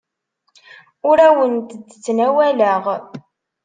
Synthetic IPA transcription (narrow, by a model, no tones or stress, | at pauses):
ʊɾæwənt̪əd̪ːt͡sːnæwæləʁ